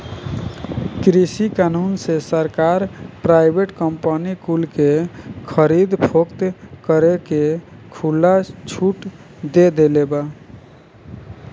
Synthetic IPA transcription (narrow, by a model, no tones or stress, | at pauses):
kɾisikanunsesəɾkaɾpɾajbʱeʈkəmpanikulkekʰəɾid̪pʰokt̪kəɾekekʰulːat͡ʃʰuʈ | d̪ed̪eleba